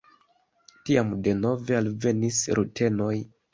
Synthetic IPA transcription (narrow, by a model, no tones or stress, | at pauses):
tiamde̞no̞ve̞alve̞nisɾʔutʰe̞no̞j